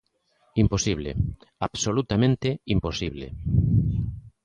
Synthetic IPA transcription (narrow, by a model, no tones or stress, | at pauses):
imposiβlḛaβsolut̪amẽnt̪eimposiβlḛ